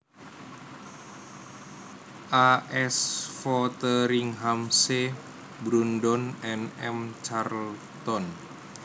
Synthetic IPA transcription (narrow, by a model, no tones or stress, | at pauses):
ʔaʔɛsfɔt̪əɾiŋɦamse | bɾundɔnɛnɛmt͡ʃarl | t̪ɔn